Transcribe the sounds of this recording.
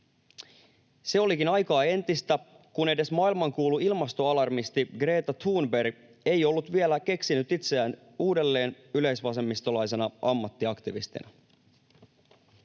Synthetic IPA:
se̞o̞lik̟inɑjkɑːe̞nt̪ist̪æ | kune̞de̞smɑːilmɑŋkuːluilmɑst̪o̞ɑlɑrmist̪iɡɾeːt̪ɑt̪ʰuːnbe̞r | e̞jo̞lːut̪ʋielæke̞ksinyt̪it̪seæːn | uːde̞lːe̞ːn | yle̞jsʋɑse̞mːist̪o̞lɑjse̞nɑʔɑmːɑt̪ːiɑkt̪iʋḭst̪ḭnæ

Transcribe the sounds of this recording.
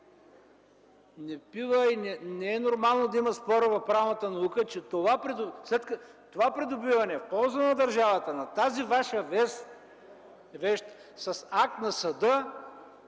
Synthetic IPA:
nɛpivəinɛnɛɛnoɾmalˠnod̪ɐimɐspɔɾəvɐfpɾavnɐt̪ənɐukət͡ʃɛt̪ovapɾɛd̪ʊslɛt̪kə | t̪ovapɾɛd̪ʊbivɐnɛfpɔlˠzənɐd̪ɐɾʒavɐt̪ənɐt̪azivaʃəvɛs | vɛʃt̪ | sɐsak̚t̪nɐsɐd̪ɤ

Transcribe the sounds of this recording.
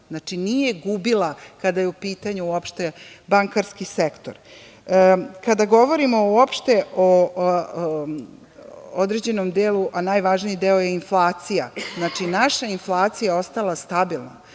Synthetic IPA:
znat͡ʂinije̞ɡubilˠakad̪ajeupiːt̪aɲuuopʃt̪e̞baŋkaɾskisekt̪o̞̰ɾ | kad̪aɡo̞ʋo̞ɾimo̞uopʃt̪e̞ʔo | od̪ɾe̞d͡ʑe̞nomd̪eːluʔanaːjʋaːʒnijid̪eojeinflˠaːt̪sija̰znat͡ʂinaʃainflˠaːt̪sijaeo̞st̪alˠast̪abilˠna

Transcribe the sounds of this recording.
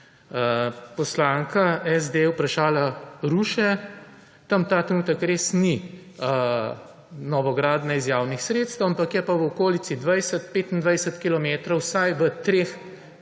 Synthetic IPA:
pɔslaːŋkaɛzd̪ewpɾaʃaːlaɾuːʃɛ | t̪ɐmt̪aːt̪ɾɛnuːt̪əkɾeːsni | ə | nɔʋɔɡɾaːd̪nɛizjaːwnixsɾeːt̪st̪əwampakjɛpaʋɔkoːlit̪sid̪ʋajsət̪peːt̪ind̪ʋɐjsət̪kilɔmeːt̪ɾɔwsajʋət̪ɾeːx

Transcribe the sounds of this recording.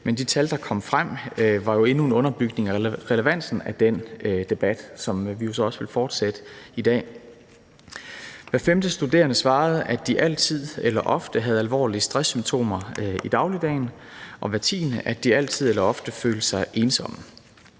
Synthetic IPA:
mend̥it͡sʰæld̥ɑ̈kʰɒ̽m̰fʁam̰ʋɑ̈jo̝e̝nue̝nɔ̽nɐb̥yɡ̥ne̝ŋæʁɛləʋæn̰sn̩æd̥en̰d̥e̝b̥æd̥sɒ̽mʋijo̝s̬ɒ̽ɒ̽sʋe̝lfɒːd̥sed̥əid̥ɛ̰ː | ʋæfemd̥əsd̥ud̥e̝̰ːɐnəsʋɑ̈ːð̞̩ˠʔæd̥iʔæl̰t͡sʰið̰ˠelɐʔɒ̽fd̥əɦæð̞̩ˠælʋɒ̰ːliəsd̥ʁɛsːymt͡sʰo̝̰ːmɐid̥ɑ̈ʊlid̥ɛ̰ːɪn | ʔɒ̽ʋæt͡sʰḭːnəʔæd̥iæl̰t͡sʰið̞̰ˠelɐɒ̽fd̥əføːləsɑ̈ɪʔe̝ːnsɒ̽mə

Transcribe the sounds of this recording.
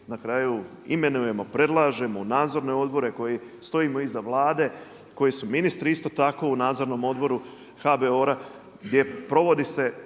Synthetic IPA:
nakɾaːju | ime̞nuje̞mo̞pɾe̞d̪lˠaːʒe̞monaːd̪zo̞ɾne̞o̞d̪bo̞ɾe̞ko̞jest̪o̞imo̞izaʋlˠaːd̪e̞ | ko̞jesuminist̪ɾiist̪o̞t̪ako̞unaːd̪zo̞ɾno̞mo̞d̪bo̞ɾu | xabeo̞ɾa | ɡd̪je̞pɾo̞ʋo̞d̪ise̞

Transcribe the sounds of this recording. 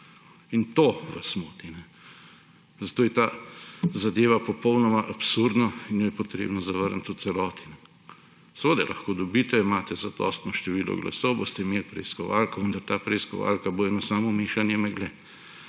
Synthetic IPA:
int̪oʋasmoːt̪inɛ | zɐt̪oːjɛt̪aːzad̪eːʋapɔpɔwnɔmaʔapsuɾd̪nɔinjojɛpot̪ɾḛːbnɔzaʋəɾnt̪ut̪sɛlɔːt̪inɛ | sʋəd̪ajlʔɐ̰xkoːd̪ɔbiːt̪ɛimaːt̪ɛzad̪ɔ̰st̪nɔʃt̪ɛʋiːlɔ̰ɡlʔa̰sɔwbo̰ːst̪ɛimelpɾɛ̰iskɔʋa̰lkɔʋənd̪aɾt̪aːpɾɛiskɔ̰ʋa̰ːlkaboːɛnɔsaːmɔmiːʃanjɛmɛɡlɛ

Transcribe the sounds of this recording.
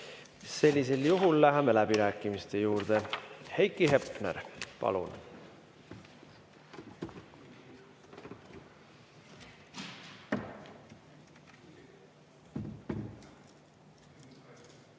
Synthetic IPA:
se̞lʲːis̬e̞ljuɦulːæɦemelæb̥iɾæːkːˑimist̪e̞juːɾd̪̥e̞hejkːˑiɦe̞pˑnæ̰ɾpɑ̰lṵn

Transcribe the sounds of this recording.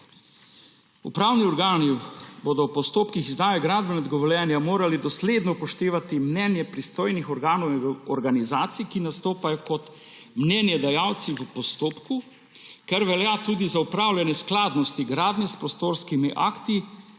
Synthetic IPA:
ṵpɾaːwniɔɾɡaːnibod̪ɔwpɔst̪oːpkixizd̪aːjɛɡɾaːd̪bɛnɔd̪ɡɔʋɔljɛnjamoːɾalid̪ɔsled̪nɔpɔʃt̪eːʋat̪imnɛːnjɛpɾist̪oːjnixɔɾɡaːnɔwɔɾɡanizaːt̪sikinast̪oːpajɔkɔt̪ | mnɛːnjɛd̪ɛjaːwt̪siʋəpɔst̪oːpku | kɛɾʋɛljaːt̪uːd̪izaupɾaːwlʲjɛnɛsklaːd̪nɔst̪iɡɾaːd̪nɛspɾɔst̪oːɾskimiʔa̰kt̪i

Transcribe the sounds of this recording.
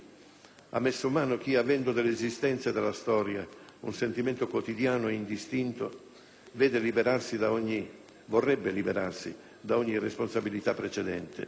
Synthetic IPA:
a̰mːesːomaːnok̟iavɛnd̪od̪elːeːzist̪ɛnt̪sed̪elːast̪ɔːɾjaunsent̪iment̪okwot̪id̪jaːnoind̪ist̪int̪o | vɛːd̪elibeɾarsid̪aɔɲːi | vorːɛbːelibeɾarsḭ | d̪aɔɲːiresponsabilit̪apːɾet͡ʃɛd̪ɛnt̪ɪ̰

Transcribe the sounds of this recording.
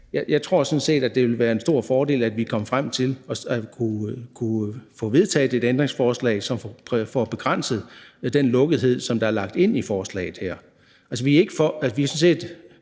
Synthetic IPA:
jæjɑ̈ɪt͡sʰʁo̝ɐ̰sɒ̽nse̝̰ːd̥æd̥e̝ʋe̝lʋæːɐe̝nsd̥o̝ɐ̰fɒːɾe̝̰ːlæd̥ʋikʰɒ̽məfʁam̰t͡sʰe̝lɒ̽skʰukʰufɔ̰̽ːʋe̝ð̞ˠt͡sʰɛ̰ːð̩ˠe̝d̥end̥ʁeŋsfɒːslɛ̰ɪsɒ̽mfɒpʰfɒb̥e̝ɡ̥ʁan̰səð̩ˠd̥enlɔ̽ɡ̥əð̩ˠɦe̝ð̞̰ˠsɒ̽md̥ɑ̈æɐlɑ̈ɡ̥̚d̥e̝n̰ifɒːslɛ̰ːɪð̩ˠhæɐ̰ | ælsəʋie̝ɡ̥əfɒæ̥ʋiæsɒ̽n̩se̝̰ːd̥

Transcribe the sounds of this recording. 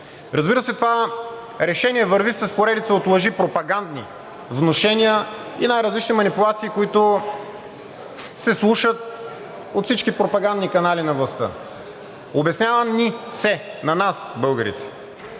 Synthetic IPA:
ɾɐzbiɾəsɛt̪ova | ɾɛʃɛnʲiɛvəɾvisəspoɾɛd̪it̪səot̪lˠɐʒipɾopɐɡand̪nḭ | vnoʃɛnʲijəinajɾɐzlit͡ʃnimɐnipulˠat̪siːkoit̪ʊ | sɛslˠuʃət̪̚ | ot̪fsit͡ʃkipɾopɐɡand̪nikɐnalinɐvlˠɐst̪ɤ̰ | obɛsnʲavənnisɛnɐnasbɤlˠɡəɾḭt̪ɛ̥

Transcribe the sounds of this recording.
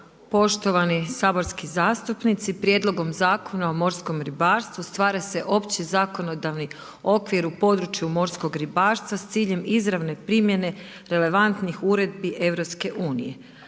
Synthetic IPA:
po̞ʃt̪oʋanisaːbo̞ɾskizaːst̪upnit̪sipɾje̞d̪lˠo̞ɡo̞mzaːko̞naomo̞ɾsko̞mɾibaːɾst̪ʋust̪ʋaːɾese̞ʔo̞pt͡ɕizaːko̞nod̪aʋni | o̞kʋiɾupo̞d̪ɾut͡ʃjumo̞ɾsko̞ɡɾibaːɾst̪ʋast̪siːʎe̞mizɾaʋne̞pɾimje̞ne̞ | ɾe̞le̞ʋant̪nixuɾe̞d̪̚biʔe̞ʋɾopske̞ʔuːnḭje̞

